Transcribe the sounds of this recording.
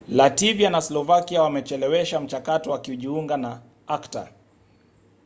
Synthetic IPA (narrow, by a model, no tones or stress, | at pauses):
lativianaslɔvakiawamɛt͡ʃɛlɛwɛʃam̩t͡ʃakatɔwakiuʄiuŋɡana | akta̰